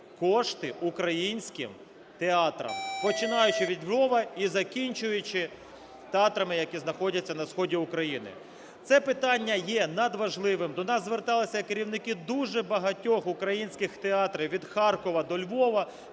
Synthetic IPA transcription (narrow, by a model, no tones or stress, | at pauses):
kɔʃt̪ɪʔukɾɐjinʲsʲkɪ̰m | t̪eɑt̪ɾɐ̰mpɔt͡ʃɪnɑjʊt͡ʃɪʋʲid̪ʲlʲʋɔʋɐizɐkʲinʲt͡ʃʊjʊt͡ʃɪ | t̪eɑt̪ɾɐmɪjɐkʲiznɐxɔdʲɐt͡sʲːɐnɐsxɔdʲiʊkɾɐjinɪ̰ | t̪sɛpɪt̪ɑnʲːɐjɛnɐd̪ʋɐʒlˠɪʋɪmd̪ɔnɑszʋert̪ɑlˠɪsʲɐjkeɾʲiwnɪkɪd̪uʒɛbɐɦɐtʲɔxʊkɾɐjinʲsʲkɪxt̪eɑt̪ɾɪʋʲid̪xɑrkɔʋɐd̪ɔlʲʋɔʋɐ